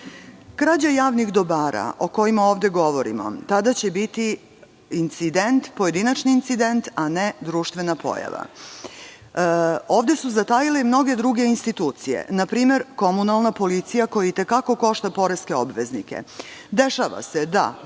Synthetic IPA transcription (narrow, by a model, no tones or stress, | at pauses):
kɾad͡ʑajaːʋnixd̪o̞baːɾa̰ʔo̞ko̞jimaoːʋd̪e̞ɡo̞ʋo̞ɾḭmo̞̰t̪ad̪at͡ɕebit̪i | int̪sid̪e̞nt̪po̞je̞d̪inat͡ʃniːnt̪sid̪e̞nt̪ane̞d̪ɾuːʃt̪ʋe̞napʰo̞̰ja̰ʋa̰ | oːʋd̪e̞suzat̪ajile̞imno̞ɡe̞d̪ɾuɡe̞inst̪it̪uːt̪sijḛnapɾiːme̞ɾko̞munalˠnapo̞lit̪sijako̞jait̪e̞kako̞ko̞ʃt̪apo̞ɾeske̞o̞bʋe̞znike̞̰d̪eʃaʋa̰se̞d̪a̰